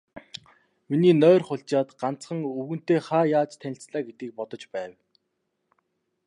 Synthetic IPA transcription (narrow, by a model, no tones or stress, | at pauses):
miniːnœːrχʊɬt͡ɕaːt̪ɢ̥an̥t͡sχə̆ŋɵɣɘ̆n̥t̪eːχaːjaːt͡ɕt̪ʰænʲɪ̆ɬt͡sɮaːɡet̪iːk̚pɔt̪ɞ̆t͡ɕpæːw